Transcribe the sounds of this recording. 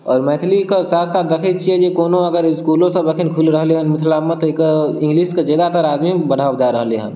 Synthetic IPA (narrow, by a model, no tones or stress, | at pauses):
ɔːɾmɛːt̪ʰlikosaːt̪ʰsaːt̪̚d̪ɐkʰit͡ʃied͡ʒekoːnõəɡəɾɪskuːlõsə̃bəkʰinkʰulɾəɦleɦənmɪt̪ʰlamẽt̪okɪ̃ŋɡlisked͡ʒeːd̪at̪əɾaːd̪mibəɽ̤ʱaːwd͡ʒaɾəɦleɦə̰n